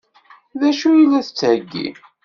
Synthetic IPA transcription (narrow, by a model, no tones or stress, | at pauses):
ðæʃujilːæθət͡sːəɡːḭ